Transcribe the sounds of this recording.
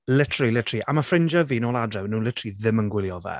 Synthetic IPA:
lɪtʰɾilɪtʰriʔamafrɪnd͡ʒəvinoːlˠadrɛwnuːnlɪtʰriðɪmənɡwɪlˠjɔvɛ̰

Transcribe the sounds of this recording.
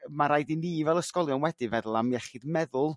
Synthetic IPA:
maɾajdiniːvɛlˠəskɔlˠjɔnwɛdɨvɛðl̩ˠamjɛχɨdmɛðʊlˠ

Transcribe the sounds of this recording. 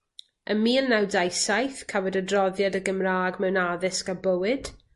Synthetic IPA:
ʔəmiːlˠnɛwdajsajθkʰavɔdədrɔðjadəɡəmraːɡmɛwnaðɪsɡabəwɨd̥

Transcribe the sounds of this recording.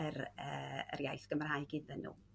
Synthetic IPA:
ərəːə̰rjajsɡ̥əmrajɡ̥ɪdɛnːṵː

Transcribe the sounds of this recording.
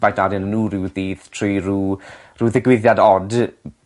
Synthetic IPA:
vajtadɨnnuːrɪwðiːðtʰruruː | ruːðɪɡwɪðjadɔd

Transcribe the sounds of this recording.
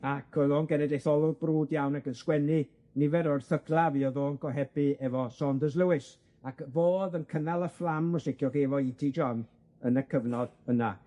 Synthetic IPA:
akʰɔðoːnɡɛnɛdejθɔlˠʊbruːdjawnakənskwɛni | nɪvɛɾɔrθəɡlˠaviɔðoːnɡɔɦɛbɨɛvɔsɔndəzlˠəwɪs | akvoːðənkʰənalˠəflˠamːɔsɪkʰjɔɡevɔidid͡ʒɔn | ənəkʰəvnɔd̥əna

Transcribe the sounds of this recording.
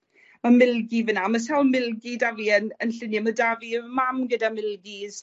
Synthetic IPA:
mamɪlˠɡivənamas̬ɛlˠmɪlˠɡidaviənənɬɪnamədavimamɡədamɪlˠɡiz̥

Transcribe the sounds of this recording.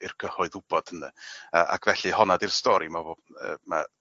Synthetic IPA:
ɪrkʰəhɔɨðʊb̥ɔd̥ənaəʔa̰kʰvɛɬɨhɔnadirstɔɾimavoə̰ma

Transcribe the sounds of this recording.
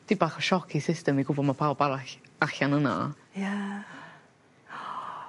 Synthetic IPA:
d̥ibaχɔʃɔkʰisɪstɛmiɡʊbɔmapʰawbalˠaaɬanəna̰ | ja

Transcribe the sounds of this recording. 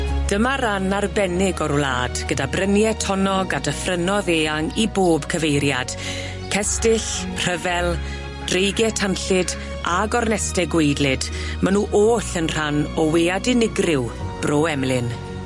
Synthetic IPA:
d̥əmaɾanarbɛnɪɡɔɾla̰ːd̥ɡ̥ədabrənjɛtʰɔnɔɡadəfrənɔðeːaŋiboːbkʰəvejɾjad̥ | kʰɛstɪɬ | r̥əvɛlˠ | d̥rejɡɛtʰanɬɪd | ʔaɡɔrnɛstɛɡwejdlɪd | manuːʔoːɬənr̥anɔweːadɪnɪɡrɪwb̥roːɛmlɪn

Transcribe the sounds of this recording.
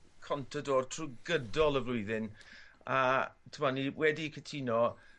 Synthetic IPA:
kʰɔntʰadoːr̥tʰruɡədɔlˠəvlʊɨðɪnatʰəmɔniwɛdikʰətʰinɔ

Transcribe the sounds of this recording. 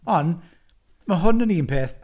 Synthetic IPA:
ɔn | məɦʊnəniːənpʰeːθ

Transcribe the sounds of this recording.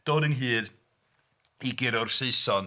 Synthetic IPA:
d̥oːdənɦɨːð | iɡɪɾʊrseɨsɔn

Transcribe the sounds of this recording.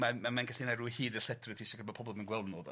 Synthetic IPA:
manmamanɡaɬinaɾuhiːdəɬɛtʰrɨtʰisɔɡəbɔpʰɔbɔlˠmanɡwɛlˠnɔð

